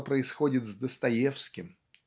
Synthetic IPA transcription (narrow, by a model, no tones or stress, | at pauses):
pɾəɪsxo̞dʲɪt̪zd̪əst̪ɐjefskʲɪm